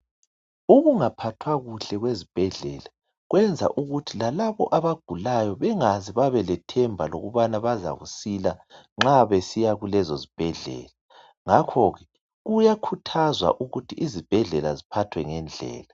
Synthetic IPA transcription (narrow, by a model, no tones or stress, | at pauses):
uɣuŋapʰatʰwaɣuɬɛɣwezib̥ʱɛɮɛla | ɣwɛnd͡zʱa̰ʔuɣutʰilalaβɔ̰ʔaβaɡ̥ʱulajɔβɛŋaziβaβɛlɛtʰɛmbʱaloɣuβanaβaza̰ɣṵsila | ŋ͡ǁaβesijaɣulɛzozib̥ʱɛɮɛ̰ːla | ŋakʰɔɣɛ | ɣujakʰutʰazwa̰ʔuɣutʰiʔizib̥ʱɛɮɛla̰zipʰatʰwɛŋɛnd͡ɮʱɛ̰ːla